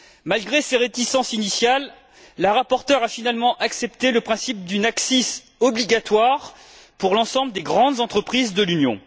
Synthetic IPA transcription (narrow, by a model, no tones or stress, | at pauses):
malɡʁeseʁet̪isɑ̃sinisjalː | əʁapɔʁt̪œʁafinalmɑ̃ʔaksɛpt̪eləpχɛ̃sip̚d̪ynaksis | ɔbliɡat̪waʁ | puʁlɑ̃sɑ̃bləd̪eɡʁɑ̃d̪zɑ̃t̪χəpχizd̪əlynjɔ̰̃